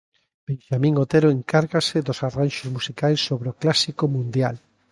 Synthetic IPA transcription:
b̥ẽnʃamĩŋot̪eɾoeŋkaɾɣasɪðosaranʃozmusikajsːoβɾeoklasikomũnd̪jal

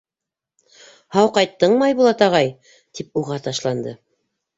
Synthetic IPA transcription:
hɑwqɑjt̪ːɤɴmɑjbulˠɑt̪ɑʁɑj | t̪ip̚uʁɑt̪ɑʃlˠɑnd̪ɤ

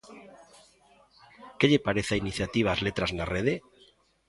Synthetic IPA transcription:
keʎepaɾeθainiθjat̪iβ̞azlet̪ɾaznareð̞e

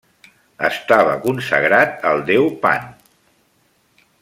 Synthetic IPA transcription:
ə̰st̪aβ̞əkunsəɣɾat̪̚əlˠd̪ɛwpa̰n

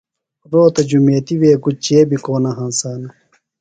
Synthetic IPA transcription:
ɾoːt̪ɐd͡ʑumeːt̪iweːɡut͡ɕeːbikoːnɐɦãːnsaːnɐ

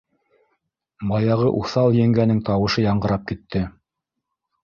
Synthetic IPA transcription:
mɑjɑʁɤʔuθɑlˠjɘ̆ŋɡænɘŋt̪ɑwɤ̆ʃɤjɑɴɢɤ̆ɾɑp̚kit̪ːɘ

